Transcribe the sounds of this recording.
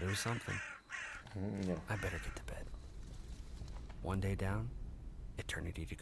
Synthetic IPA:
ðə˞wʌz̥sʌ̃mθɪ̰̃ŋ | jʔaɪbɛɾə˞ɡ̥ɛtʰə̥b̥ɛd̥̚ | wʔʌ̰̃ndeɪdãʊ̃nɨtʰɜ̰̃˞nɨɾiɾɨɡ

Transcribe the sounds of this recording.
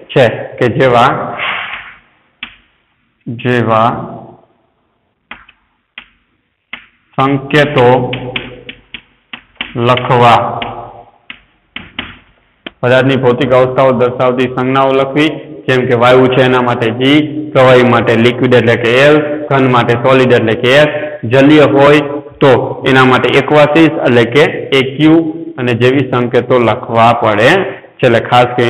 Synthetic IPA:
t͡ʃʰeked͡ʒeʋa | d͡ʒeʋa | sə̃ŋkjet̪o | ləkʰʋa | pəd̪at̪nibʱot̪ikaʋəst̪ʰaod̪əɾʃaʋd̪isə̃ŋɡnaoləkʰʋid͡ʒemkeʋajũt͡ʃʰeːnamaʈed͡ʒikəʋaimaʈelikʋiɖeʈlekeelɡʱənmaʈesɔliɖeʈlekeesd͡ʒəlijəɦojt̪oenamaʈeekʋasisḛlekeːkjũəned͡ʒeʋisəŋkjət̪oləkʰʋapəɽe | t͡ʃʰellekʰaskəi

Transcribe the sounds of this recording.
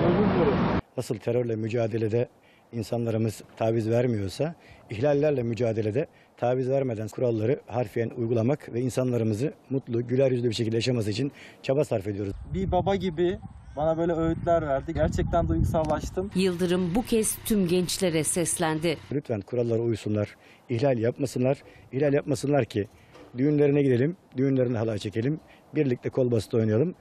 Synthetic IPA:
ujɡuklaɾɯnasɯlˠt̪ʰe̞ɾøɾlʲˠɛmyd͡ʒaːd̪e̞lʲe̞d̪ɛ | insanlˠaɾɯmɯz̥t̪ʰaːvizvæɾmijo̞ɾsaiçlʲalʲːæɾlʲɛmyd͡ʒaːd̪e̞lʲe̞d̪ɛ | t̪ʰaːvizvæɾmed̪ænkʰuɾalˠːaɾɯhaɾfijɛnujɡulˠamakvɛinsanlˠaɾɯmɯzɯmut̪lˠuɟylʲæɾjyzlʲybiɾʃ̬ecʰilʲd̪ɛjaʃ̬amasɯit͡ʃʰin | t͡ʃʰabasaɾfed̪ijo̞ɾuzbibabaɟibɪbanabø̞ːlʲɛøjyt̪lʲæɾvæɾd̪iɟæɾt͡ʃʰɛc̚t̪ʰænd̪ujɡusallˠaʃt̪ʰɯmjɯlˠd̪ɯɾɯmbucʰɛst̪ʰymɟɛnt͡ʃlʲe̞ɾɛsɛslʲænd̪ɪlʲyt̪ʰfænkʰuɾalˠːaɾaujusunlˠaɾ̥ | ihlʲalʲjapmasɯnlˠaɾ̥ihlʲalʲjap̚masɯnlˠaɾcʰi | d̪yjynlʲe̞ɾinɛɟid̪e̞lʲimd̪yjynlʲeɾinɛɦalˠaɾt͡ʃʰe̞cʰe̞lʲim | biɾlʲic̚t̪ʰʲɛkʰo̞lˠbasɯt̪o̞jnajalˠɯm

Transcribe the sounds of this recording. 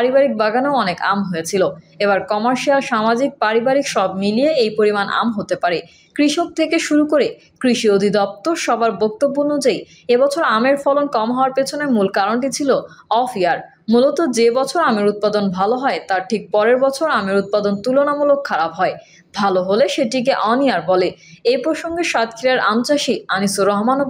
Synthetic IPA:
paɾibaɾik̚baɡanoɔneka̰mɦojet͡ɕʰiloeβaɾkɔmaɾʃialʃamad͡ʑik̚paɾibaɾikʃɔbmilieejpoɾimanʔa̰mɦot̪epaɾe | kɾiʃok̚t̪ʰekeʃuɾukoɾe | kɾiʃiod̪ʱid̪ɔp̚t̪oɾʃɔbaɾbok̚t̪obːoonud͡ʑaj | ebɔt͡ɕʰoɾameɾfɔlonkɔmɦɔoaɾpet͡ɕʰonemulkaɾoɳʈit͡ɕʰiloɔfiaɾ | mulot̪od͡ʑebɔt͡ɕʰoɾameɾut̪̚pad̪onbʱaloɦɔet̪aɾʈʰik̚pɔɾeɾbɔt͡ɕʰoɾameɾut̪̚pad̪ont̪ulonamulokʰːaɾabɦɔe | bʱaloɦoleʃeʈik̬eʔɔniaɾbɔle | ejpɾoʃoŋɡeʃat̪̚kʰiɾaɾʔa̰mt͡ɕaʃianisoɾɔɦmanob

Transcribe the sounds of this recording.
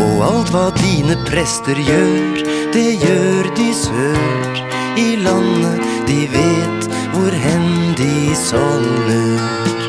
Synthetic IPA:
ɔɑlt̪ʋɑːd̪iːnəpʰɾɛst̪əɾjøːɾ | d̪̥ɛjøːɾd̪ɪsøː | ɾ | ɪlɑnə | d̪̥ɪʋeːt̪ | ʋʊɾɦɛnd̪ɪsɔŋlə

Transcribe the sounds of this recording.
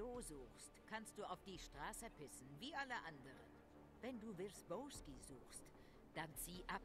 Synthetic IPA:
uːzuːxstkʰanst̚d̥uːaʊfd̥iːʃtʁ̥aːsəpʰɪsn̩viːʔaləʔandəʁə̰n | vɛnduːvɪsb̥ɔʊskizuːxst | d̥ant͡siːʔap

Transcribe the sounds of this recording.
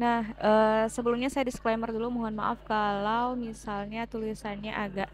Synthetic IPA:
nahʔəsəbəlumɲasajadisklemərdulumoɦɔnmaʔafkalawmisalɲat̪ulisanɲaʔaɡaʔ

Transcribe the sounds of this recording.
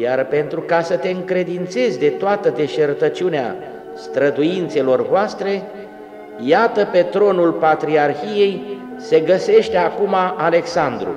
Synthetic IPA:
jarpe̞nt̪ɾukasət̪e̞ɨŋkɾe̞d̪int̪se̞zʲd̪e̞t̪oat̪əd̪e̞ʃert̪ət͡ʃunea̰ | st̪ɾəd̪ujint̪se̞lo̞rvoast̪ɾe̞ | jat̪əpe̞t̪ɾo̞nulpat̪ɾiarçije̞j | se̞ɡəse̞ʃt̪eakumaːle̞ksand̪ɾṵ

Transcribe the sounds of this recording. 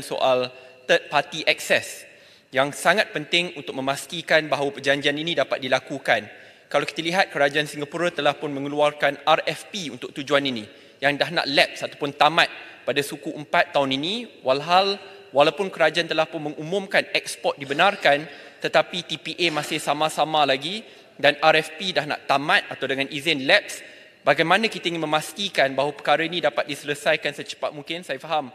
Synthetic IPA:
nso̰ʔal | t̪ət̪̚pat̪iʔɛk̚sɛs | jaŋsaŋat̪̚pənt̪ɪŋunt̪ʊk̚mə̃mast̪ikanbaɦawapərd͡ʒaɲd͡ʒianinĩdapat̪̚dilakukan | kalawkit̪əliɦat̪̚kəɾad͡ʒaansiŋɡapuɾat̪əlahpʊnmə̃ŋəluarkanarɛfpiunt̪ʊk̚t̪ud͡ʒuaninĩ | jaŋdahna̰ʔlɛp̚sat̪apʊnt̪amat̪̚padasukuʔəmpat̪ːaʊninĩwalɦal | walawpʊnkəɾad͡ʒaant̪əlahpʊnməŋumũmkanɛk̚spɔt̪̚dibənarkant̪ət̪apit̪ipiʔemasɪhsamãsamãlaɡi | danaɾɛfpidahna̰ʔt̪amãt̪̚at̪awdəŋanʔizɪnlɛp̚s | baɡajmãnakit̪aiŋɪnmə̃mast̪ikanbaɦwapə̥kaɾainĩdapat̪̚disələsajkansət͡ʃə̥pat̪̚mũŋkɪnsajafaɦam

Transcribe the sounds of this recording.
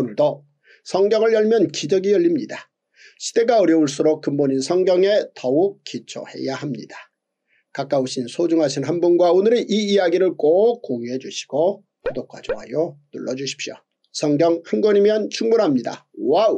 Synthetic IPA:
onɯɭdo | sʰʌŋɡjʌŋɯɭjʌɭmjʌnkid͡ʑʌɡijʌʎːimɲida | ɕʰi̥de̞ɡaʌɾjʌuɭs̬͈uɾok̚k͈ɯmboɲinsʰʌŋɡjʌŋe̞tʌuk̚k͈it͡ɕʰo̰he̞̰jahamɲḭda | kak͈auɕʰinsʰod͡ʑuŋɦaɕʰinɦanbunɡwaonɯɾeʔiijaɡiɾɯɭk͈ok͈oŋuɦe̞d͡ʑuɕʰi̥ɡ̥o | kudok͈wa̰oɦa̰jonṵɭːʌd͡ʑuɕʰi̥p̚ɕ͈jo̰ | sʰʌŋɡjʌŋhɯŋɡoɲimjʌnt͡ɕʰuŋbunɦamɲida̰ | wa

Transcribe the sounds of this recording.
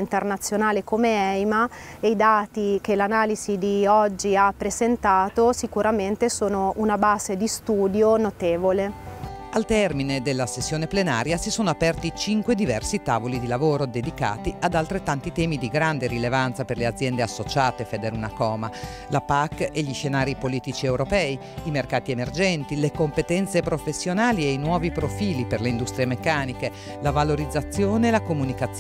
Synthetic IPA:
int̪ernat̪sːjonaːlekomeɛjmaeid̪aːt̪ikelanaːlizid̪iɔd͡ʒːiapːɾezent̪aːt̪osikuɾament̪esoːnounabaːzed̪ist̪uːd̪jonot̪eːvolealt̪ɛrmined̪elːasesːjoːneplena̰ːɾjasisoːnoapɛrt̪it͡ʃiŋkwed̪ivɛrsit̪aːvolid̪ilavoːɾod̪ed̪ika̰ːt̪iad̪alt̪ɾet̪ːant̪it̪ɛːmid̪iɡɾand̪eɾilevant̪saperlead̪zjɛnd̪easːot͡ʃaːt̪efed̪eɾunakɔːma | lapakːeʎiʃenaːɾipoliːt̪it͡ʃiɛwɾopɛːi | imerkaːt̪iemerd͡ʒɛnt̪ilekompet̪ɛnt̪sepɾofesːjonaːlieinwɔːvipɾofiːliperleind̪ust̪ɾiemekːaːnike | lavaloɾid̪zːat̪sːjoːnelakomunikat̪s

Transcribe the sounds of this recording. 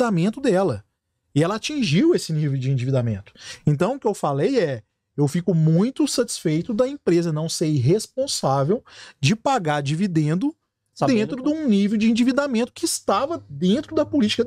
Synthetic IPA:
amẽnt̪ʊd̪ɛlɐ | ɪɛlɐat͡ʃĩʒiwesɪnivewd͡ʒɪĩnd͡ʒivid̪amḛ̃nt̪ʊ̥ẽnt̪ɐ̃w̃ʊkɪewfalejɛ | ewfikʊmũj̃t̪ʊsɐt͡ʃi̥sfejt̪ʊd̪ɐẽpɾezɐnɐ̃w̃seɦespõsavewd͡ʒɪpaɡaɾd͡ʒivid̪ẽnd̪ʊ | d̪ẽnt̪ɾʊd̪ũnivewd͡ʒɪĩnd͡ʒivid̪amẽnt̪ʊ̥kɪɪst̪avɐd̪ẽnt̪ɾʊd̪ɐpolit͡ʃi̥kɐ

